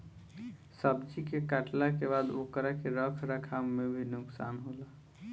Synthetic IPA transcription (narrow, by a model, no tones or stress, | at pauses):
səbd͡ʒikekaʈlakebad̪okɾakeɾəkʰɾəkʰamːebʱinʊksanɦola